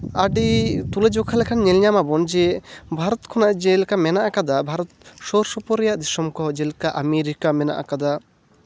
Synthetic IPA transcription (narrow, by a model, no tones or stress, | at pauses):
aɖit̪ulɛd͡ʒɔkʰalɛkʰanɲɛlɲamabɔnd͡ʒɛbʱaɾɔt̪kʰɔnaʔd͡ʒɛlkamɛnaʔakad̪abʱaɾɔt̪̚ʃɔɾsɔpɔɾɛjaʔd̪isɔmkɔd͡ʒɛlkaʔameɾikamɛna̰ʔa̰kad̪a